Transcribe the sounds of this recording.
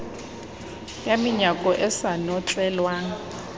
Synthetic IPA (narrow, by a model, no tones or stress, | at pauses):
jamiɲakʼɔʔɛsanɔt͡sʼɛːlwa